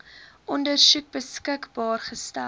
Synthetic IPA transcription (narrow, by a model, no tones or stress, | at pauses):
ʔɔndərsʉk̚bəskəkbɑːrχəstæ